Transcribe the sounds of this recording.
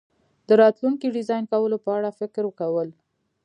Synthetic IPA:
d̪əɾɑt̪luŋkiɖɪzɑjnkawəlopəaɽafɪkɾwəkawəl

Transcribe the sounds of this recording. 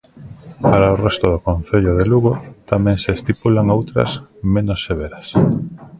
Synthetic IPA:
paɾaorɛst̪oðokõnθeʎoð̞eluɣot̪amɛ̃ŋseːst̪ipulaŋowt̪ɾɐ̰smẽnosːeβ̞eɾɐs

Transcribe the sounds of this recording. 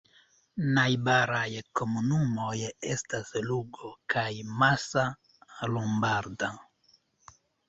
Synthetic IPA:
najbaɾajko̞munumo̞je̞stasluɡokʰajmasa | lombaɾda

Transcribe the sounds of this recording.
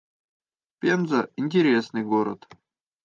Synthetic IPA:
pʲenzəɪnʲtʲɪɾʲesnɨjɡoɾə̰t̪

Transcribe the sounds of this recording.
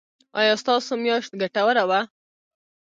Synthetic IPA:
ɑ̰jɑst̪ɑsomjɑʃt̪̚ɡaʈawəɾawa

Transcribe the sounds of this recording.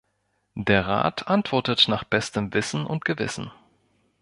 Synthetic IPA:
d̥eːɐʁa̰ːtʰʔantv̥ɔɐtətnaːχb̥ɛstəmvɪsn̩ʔʊ̰ntɡ̥əvɪ̰sn̩

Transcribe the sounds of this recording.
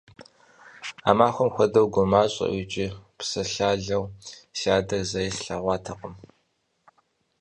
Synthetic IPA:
a̰ːmaːxʷɔmxʷɐdɐwɡʷʊmaːɕʼɐ̰ʔit͡ʃʼɪpsɐɬaːɮɐwsaːdɐrzɐjɪɬɬɐʁʷɑːtʰɐqʼəm

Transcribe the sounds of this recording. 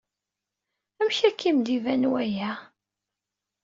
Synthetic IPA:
æmçækːimd̪ivænwæjæ

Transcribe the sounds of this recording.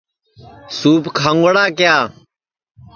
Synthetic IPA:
suːpkʰãːŋɡəɽaːkɪjaː

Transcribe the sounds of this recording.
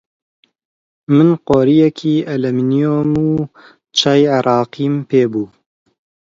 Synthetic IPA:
mɨnqoːɾijɛkʰiːʔɛlɛminijoːmuː | t͡ʃʰajʕɪɾʔɑːqiːmpeːbuː

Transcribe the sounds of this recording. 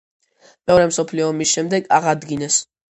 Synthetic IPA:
mɛɔɾɛmsɔpʰliɔːmisʃɛmd̪ɛɡaʁad̪ɡinɛs

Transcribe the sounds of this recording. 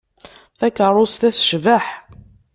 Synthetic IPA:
θækːərˤʊst̪æθʃvəħ

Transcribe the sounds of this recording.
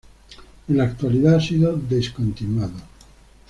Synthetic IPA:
elakt̪waliðaasiðod̪eskont̪inwaðo

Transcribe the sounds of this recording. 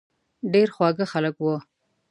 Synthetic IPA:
ɖeɾxwɑɡəxaləkwo

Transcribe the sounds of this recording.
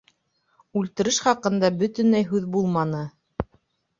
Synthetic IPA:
ʉlt̪ɘ̆ɾɘʃχɑqɤ̆nd̪ɑbɵ̆t̪ɵ̆nlæjɦʉðbulˠmɑnɤ

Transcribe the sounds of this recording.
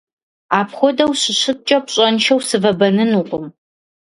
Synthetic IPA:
aːpχʷɔdɐwɕɪɕɪt̚t͡ʃʼɐp̚ɕʼɐnʃɐwsɨvɐbɐnɨnuːqʷʼʊm

